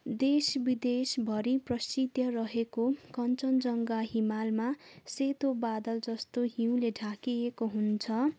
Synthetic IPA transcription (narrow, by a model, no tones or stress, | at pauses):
d̪esbid̪esbʱʌɾiprʌsid̪jʌrʌɦekokʌnt͡sʌnd͡zʌŋɡaɦimalmaset̪obad̪ʌld͡zʌst̪oɦiw̃leɖʱakiekoɦunt͡sʰʌ